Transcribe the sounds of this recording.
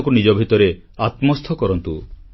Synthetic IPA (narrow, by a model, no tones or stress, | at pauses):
kunid͡ʒɔbʱit̪ɔɾe | at̪mɔst̪ʰɔkɔɾɔnt̪u